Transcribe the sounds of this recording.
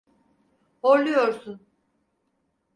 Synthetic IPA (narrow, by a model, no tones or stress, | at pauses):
hoɾlˠujo̞ɾsun